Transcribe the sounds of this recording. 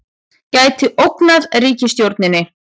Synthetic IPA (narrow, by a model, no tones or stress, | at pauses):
caːjt̪ɪʔowknaðriːcɪst̪jowɾt̪nɪnːɪ